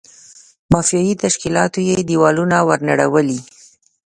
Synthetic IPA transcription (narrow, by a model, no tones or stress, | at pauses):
mɑfijɑjit̪aʃkilɑt̪ojed̪iwɑlunawəɾnaɽawəli